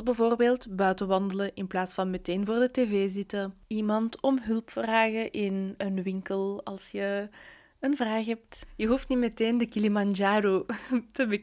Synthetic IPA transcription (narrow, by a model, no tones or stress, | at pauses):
bəvoːrbeːlˠtbœɥtəʋɑndələʔɪnplaːtsfɑnmɛteːnvoːrdəteːveːzɪtəimɑntɔmɦɵlpfraːɣəʔɪnənʋɪŋkəlˠɑlˠsjə | ənvraːxɦɛp̚tjəɦuftnimɛteːndəkilimɑnd͡ʒaːɾoːtəbə